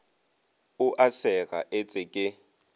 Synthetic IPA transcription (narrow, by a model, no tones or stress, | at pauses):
ʊʔasɛɣa̰ʔet͡sʼɪkʼɪ